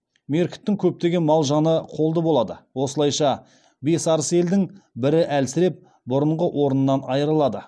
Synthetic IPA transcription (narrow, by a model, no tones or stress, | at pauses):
me̞ɾkʲɪ̥t̪ːɪŋkʲʰɵp̚t̪e̞ɡʲe̞nmɑlˠʒɑnəqʰo̞lˠd̪əbo̞lˠɑd̪əwo̞səlˠɑjʃɑ | be̞sɑɾəse̞ld̪ɪŋbɪɾɪʔælsɪɾe̞p̚ | bʊɾəɴʁəʔwʔo̞ɾənənːɑnɑjəɾəlˠɑd̪ə